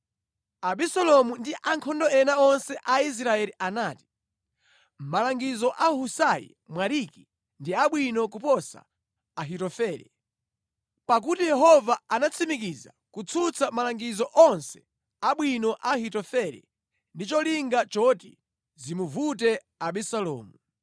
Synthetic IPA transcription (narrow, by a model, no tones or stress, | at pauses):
aɓisɔlɔmundiʔaŋkʰɔndɔɛnaɔnsɛʔais̬ɾaɛliʔanaːti̥ | m̩malaŋɡizɔʔahusajḭ | mwaɾiki | ndiaɓwinɔk̬upɔsa̰ | aɦitɔfɛːɾɛ̰ | pak̬utijɛɦɔvaanat͡sʰimikiza̰ | kut͡sʰut͡sʰamalaŋɡizɔʔɔnsɛ̥ | aɓwinɔʔahitɔfɛlɛ̰ | ndit͡ʃɔliŋɡat͡ʃɔti | zimuvut̬ɛ | aɓɛsalɔ̰ːmu